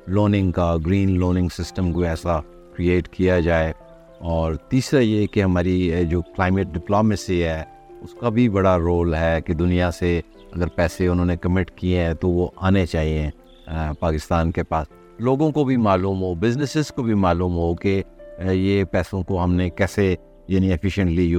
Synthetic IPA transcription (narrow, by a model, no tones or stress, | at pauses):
loːnɪ̃ŋɡkaɡɾiːnloːnɪ̃ŋɡsɪsʈəmkoɛːsa | kɾieːʈkijad͡ʒaːe | ɔːɾt̪iːsɾajekeɦɐmaːɾid͡ʒoːklaːɪmeʈ̚ɖɪploːmesiɦɛː | ʊskabʱibɐɽaɾoːlɦɛːked̪ʊnijase | ɐɡəɾpɛːseʊnɦõːnekɐmɪʈkieɦɛ̃t̪oʋoʔaːnet͡ʃaːɦieɦɛ̃ | paːkɪst̪aːnkepaːs | loːɡõkobʱimaːluːmɦobɪznɪsɪzkobʱimaːluːmɦokejepɛːsõkoɦɐmnekɛːse | jaːnĩɛfʰɪʃə̃ɳʈli